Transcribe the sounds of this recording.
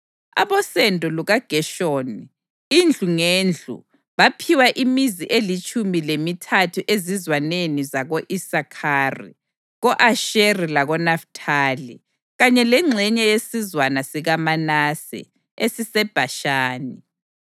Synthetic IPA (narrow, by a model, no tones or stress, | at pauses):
a̰βɔsɛndʱʼɔluɣaɡ̥ʱɛʃoːni | ind͡ɮʱuŋeːnd͡ɮʱṵ | βapʰiwaʔimiziʔelit͡ʃʼumilemitʰatʰuʔezizwanenizaɣoʔisakʰarḭ | ɣɔʔaʃerilaɣɔnaftʰaːlḭ | ɣaɲɛlɛŋ͡ǀʱɛɲɛjesizwanasiɣamanasḭ | esisɛb̥ʱaʃaːni